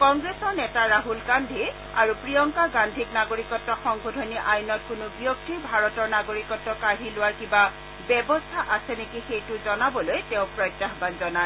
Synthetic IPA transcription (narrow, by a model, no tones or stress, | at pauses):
kɔŋɡɹesɔɹnɛtaɹaɦulkandʱi | a̰ɹupɹijɔŋkaɡandʱiknaɡoɹikɔtːɔxɔŋɡʱodʱɔniʔajnɔt̚kʊnʊbijok̚tiɹbʱaɹɔtɔɹnaɡoɹikɔtːɔkaɹilʊwaɹkiba | bɛbɔstʰaʔasɛnekixejtʊzɔnabɔlojteʊ̃pɹɔjtːaxbanzɔna